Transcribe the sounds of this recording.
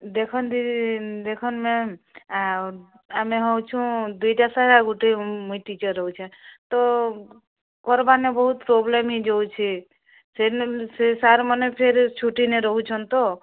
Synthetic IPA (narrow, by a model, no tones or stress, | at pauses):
d̪ekʰɔnd̪id̪ekʰɔnmẽ | ameɦɔwt͡ʃʰũd̪uiʈasaɾaɡuʈemuiʈit͡ʃəɾːɔɦut͡ʃʰẽt̪ɔ | kɔɾbanebəɦut̪̚pɾoblemid͡ʒowt͡ʃʰi | sesesaɾmənepʰeɾt͡ʃʰuʈineɾɔɦut͡ʃʰɔnt̪ɔ